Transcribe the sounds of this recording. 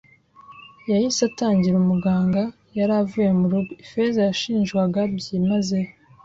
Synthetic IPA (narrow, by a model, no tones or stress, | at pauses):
jajisataːɲɟiɾumuɡaːŋɡa | jaɾavuje̞muɾuɡuifezajaʃiːnʒɡwaɡabɟimaze